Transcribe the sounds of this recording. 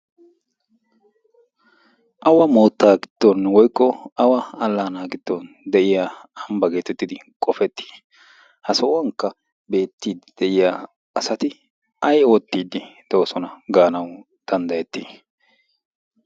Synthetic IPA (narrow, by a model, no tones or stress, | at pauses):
ʔɐwɐmoːt̪ːaːɡɪd̪̥ːɔnwɔjkːɔɐwɐɐlːaːnaːɡɪd̪̥ːɔn | d̪ɛʔɪjaːɐmbɐɡe̞ːt̪ɛt̪ːɪd̪ɪkʼɔfɛt̪ːi̥ː | hɐsɔwɐŋkːɐ | be̞ːt̪ːiːd̪ɪd̪̥ɛʔɪjaː | ɐsɐt̪ɪ | ɐjoːt̪ːiːd̪ɪd̪̥oːsɔnɐɡaːnɐw | d̪̥ɐnd̪ɐjɛt̪ːiː